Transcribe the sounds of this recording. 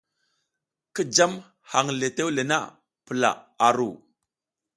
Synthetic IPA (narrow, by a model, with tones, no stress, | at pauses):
ki˦d͡ʒa˦m | ha˨ŋle˨te˦wle˨na̰˦˨ | pə˨la̰˨a˨ɾu˨